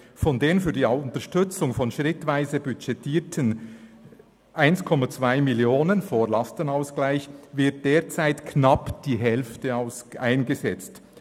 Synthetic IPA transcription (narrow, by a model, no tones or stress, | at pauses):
fɔndeːənfyːɐdiːaʊntəɐʃtʏt͡sʊŋfɔnʃʁɪtvaɪzəbyt͡ʃɛtʰiːtʰən | ʔaɪnskʰɔmat͡sv̥aɪmiljoːnənfoːlɑstənaʊsɡ̥laɪçvɪɐt̚d̥eːt͡saɪtkʰnɑpd̥iːɦɛlftəaʊsʔaɪnɡəzɛt͡st